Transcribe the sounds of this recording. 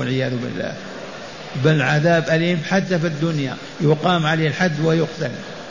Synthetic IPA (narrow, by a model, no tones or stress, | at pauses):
alʕɪjaːðʊbɪ̰lːa̰ː | bɪlʕaðaːbʔaliːmbħad̪ːafid̪ːʊnja̰ | jʊqɑːmʕaleːlħad̪ːwɪjʊqt̪al